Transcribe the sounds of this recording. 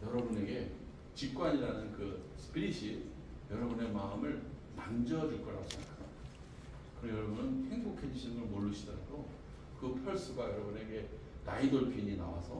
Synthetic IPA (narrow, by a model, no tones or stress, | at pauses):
jʌɾʌbune̞ɡe̞ | t͡ɕik̚k͈waɲiɾanɯnkɯsʰɯ̥pʰiɾiɕʰi | jʌɾʌbune̞maɯmɯɭmand͡ʑʌd͡ʑuɭk͈ʌɾa̰ɕʰiɲakʰa | kɯɾʌjʌɾʌbunɯnhe̞ŋsokʰe̞d͡ʑuɕʰimɯɭmoɭːuɕʰidʌɾa̰do | kɯpʰjʌɭs͈uɡajʌɾʌbune̞ɡe̞ | naidʌɭpʰiɲina̰wa̰sʰʌ